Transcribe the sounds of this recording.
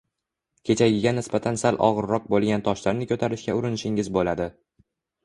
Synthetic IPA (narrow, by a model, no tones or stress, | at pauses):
kʲʰe̞t͡ʃʰaɡʲɪɡʲanɪsbat̪ʰansalʔɒ̰ʁɨɾːɒq̚bolˠɡʲant̪ʰɒʃlaɾnɪkʲʰɵt̪ʰaɾɪʃkʲaʊɾɪnɪʃɪŋɪzbolad̪ɪ